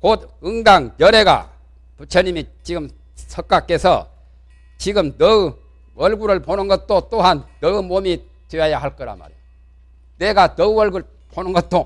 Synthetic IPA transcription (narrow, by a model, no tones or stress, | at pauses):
kod̪̚ɯŋdaŋkjʌɾe̞ɡa̰ | put͡ɕʰʌɲimit͡ɕiɡɯm | sʰʌk͈ak͈esʰʌ̰ | t͡ɕiɡɯmnʌɯ | ʌɭɡuɾɯɭponɯnɡʌt̚t͈ot͈oɦannʌɯmomi | tweajahaɭk͈ʌɾa̰ma̰ɾḛ | ne̞ɡanʌʌɭɡuɭ | ponɯnɡʌt̚t͈o